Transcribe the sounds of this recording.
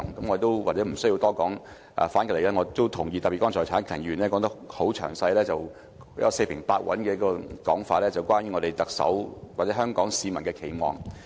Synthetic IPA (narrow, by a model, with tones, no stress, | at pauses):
ŋkɐ˨˥mŋɔː˨˧t̪o˥wwaː˨t͡sɛː˨˥m̩˨˩sɵ˥ji˧t̪ɔː˥kɔː˨˥ŋ | ʔɐ̰ː˨˩faː˨˥nkɐ˧˨le˨˩lɛː˥ŋɔ˨˧t̪o˥wt̪ʰʊ˨˩ŋji˧t̪ɐ˨piː˨kɔː˥ŋt͡sʰɔː˨jt͡sʰaː˨˥nkʰɐ˨˩nji˧˩y˨˩nlɛː˥kɔː˨˧ŋt̪ɐ˥kho˨˥wt͡ʃʰœ̰ː˨˩ŋsɐ˧jlɛː˥t͡sɐ˨˩w | ɐ˧se˧jpʰɪ˨˩ŋpaː˧t̚wɐ̰˨˥nkɛː˧jɐ˥kːɔː˧kɔ̰ː˨˥ŋfaː˧˨lɛː˥t͡sɐ˨˩wkʷaː˥njy˧˥ŋɔː˨˧e˨jt̪ɐ˨k̚sɐ̰˨˥wwaː˨˩t͡sɛː˨˥œː˥ŋkɔː˨˥ŋsiː˨˧mɐ˨˩nkɛː˧kʰe˨˩jmɔ̰ː˨˩ŋ